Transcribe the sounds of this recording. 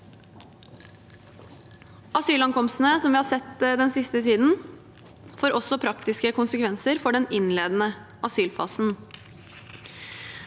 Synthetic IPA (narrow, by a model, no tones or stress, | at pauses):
ɑsyːlɑŋkʰɔmst̪n̩əsɔmʋɪːhɑːsɛt̪ːd̪ɛnsɪst̪ət̪ʰiːd̪n̩ | foːɾʔɔsɔpʰɾɑkt̪ɪskəkʰʊnsəkʰʋɛnsəɾfɔɖɛnɪnleːd̪nə | ʔɑsyːlfɑ̰ːsn̩